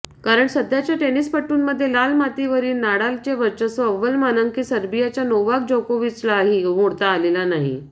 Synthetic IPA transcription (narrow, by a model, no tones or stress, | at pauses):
kaɾəɳsəd̪ʱjat͡ɕjaʈenispəʈːuːnməd̪ʱːjelalmat̪iʋəɾiːnnaɽalt͡ɕeʋəɾt͡ɕəsəʋəlmanəŋɡkiːsəɾbijat͡ɕjanoʋakd͡ʑokoʋit͡slaɦimoɽt̪aːlelanaɦḭ